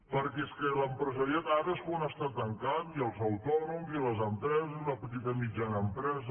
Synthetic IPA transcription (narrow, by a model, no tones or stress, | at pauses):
pəɾkɛskələmpɾəzəɾiat̪aɾəskuənəst̪at̪ːəŋkat͡siəlˠzəwt̪ɔnumziləzəmpɾɛzəzunəpət̪it̪əmid͡ʒanəːmpɾɛzə